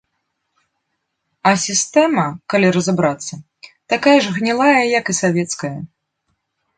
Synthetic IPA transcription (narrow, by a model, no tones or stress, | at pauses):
ɐsʲist̪ɛmɐkalʲiɾɐzabɾat̪sːɐ | t̪akajɐʐɣnʲɛlˠajɐjɐkisavʲɛt̪skɐjɐ